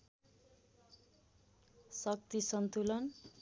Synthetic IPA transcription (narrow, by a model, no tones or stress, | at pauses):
sʌk̚t̪isʌnt̪ulʌn